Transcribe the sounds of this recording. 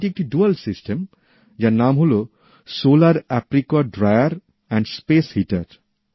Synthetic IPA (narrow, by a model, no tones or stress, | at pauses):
ʈiek̚ʈiɖualsisʈem | d͡ʒaɾnamɦolo | solaɾɛpɾikɔɖɾajaɾ | ɛ̃ɳɖspeshiʈaɾ